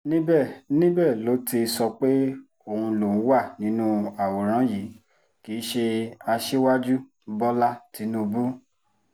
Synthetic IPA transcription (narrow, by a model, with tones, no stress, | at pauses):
nĩ˦bɛ˦˨nĩ˦bɛ˦˨lo˨˦ti˧sɔ˧k͡pe˦ | o˦˨ũ˧lõ˨˦wa˦˨nĩ˨˦nũ˦a˨wɔ˨ɾ̃ã˨˦ji˨˦ | ki˨˦ʃe˧a˧ʃe˦wa˦d͡ʒu˦ | bɔ˦la˦ti˨˦nũ˦˧bu˦